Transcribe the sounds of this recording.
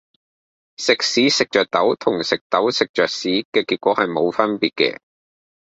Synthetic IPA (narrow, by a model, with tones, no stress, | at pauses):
sɪ˨k̚siː˨˥sɪ˨k̚t͡ʃœː˨k̚t̪ɐ˨˥wt̪ʰʊ˨˩ŋsɪ˨k̚t̪ɐ˨˥wsɪ˨k̚t͡ʃœː˨k̚siː˨˥kɛː˧kiː˧t̚kʷɔː˨˥hɐ˨jmo˨˧wfɐ˥npiː˨t̚kɛ̰˧